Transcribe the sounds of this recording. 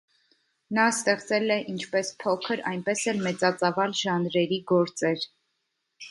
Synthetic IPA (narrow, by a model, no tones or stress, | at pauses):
nɑst̪ɛχt͡sɛlɛʔint͡ʃʰpɛspʰɔkʰəɾɑ̰jnpɛsɛlmɛt͡sɑt͡sɑvɑlʒɑnɾɛɾiɡɔɾt͡sɛɾ